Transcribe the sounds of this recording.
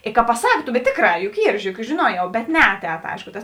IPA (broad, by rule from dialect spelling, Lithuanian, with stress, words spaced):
ɪ kɐ pɐˈsɐk bʲɛt ˈtʲeːkˌrɑː jʊk ˈiːr ʒʲʊˈrʲiɛk jʊk ʒʲɪˈnuɔjɛʊ bʲɛt ˈnʲɛɐˌtʲɛːt ˈɐɪʃkʊ tɐs